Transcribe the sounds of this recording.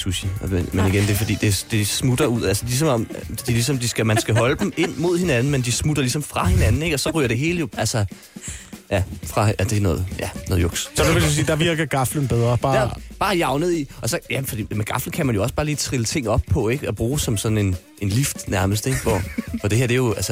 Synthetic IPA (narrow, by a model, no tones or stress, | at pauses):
susiemeniɡ̥end̥efɒ̽d̥ḭːd̥e̝d̥e̝smud̥ɐuð̞̰ˠælsəd̥ilis̬ɒ̽mɒ̽md̥ilisɒ̽md̥isɡ̥æmænsɡ̥æɦɒ̽ləd̥em̩e̝n̰mo̝ð̞̰ˠhe̝nænn̩mend̥ismud̥ɐlis̬ɒ̽mfʁɑ̈he̝nænn̩e̝ɡ̥ɒ̽sɒ̽ʁy̰ːɐd̥e̝ɦe̝ːləjo̝ælsɐ | jæfʁɑ̈æd̥e̝nɔ̽ːð̩ˠjænɔːðˠjoɡ̥ssɒnuʋelus̬iːd̥ɑ̈ʋiɐɡ̥ɐɡ̥ɑ̈flən̩b̥eðˠʁɐb̥ɑ̈ːæb̥ɑ̈ːjɑ̈ʊnəð̩ˠiɒ̽sɒ̽jæfɒ̽d̥ḭːmeɡ̥ɑ̈fln̩kʰæmænjo̝ɒ̽sb̥ɑ̈ːliːt͡sʰʁilət͡sʰe̝ŋ̰ɒ̽b̥̚pʰɒ̽e̝ɡ̥ɒb̥ʁuːsɒ̽msɒ̽n̥n̩e̝n | ʔe̝nlifd̥næɐməs̬d̥eɡ̥ʋɒ̰ʋɒd̥e̝he̝ɐ̰d̥ejo̝ælsə